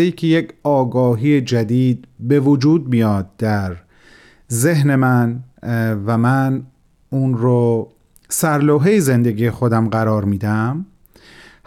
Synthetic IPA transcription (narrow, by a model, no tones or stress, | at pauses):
eiːkʰejecʰɒːɡɒːɦiːjed͡ʒæd̪iːd̪̚be̞vod͡ʒuːd̪̚mijɒːd̪̚d̪æɾ | ze̞ɦne̞mæn | væmæn | uːnɾo | sæɾloːɦe̞jeze̞nd̪eɡiːjexod̪æmɢæɾɒːɾmiːd̪æm | h